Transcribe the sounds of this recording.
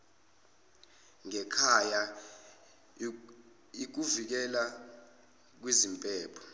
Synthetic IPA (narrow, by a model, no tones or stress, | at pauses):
ŋɛkʰaja | ik̬uvik̬ɛla | k̬wizimpʼɛːpʰɔ̥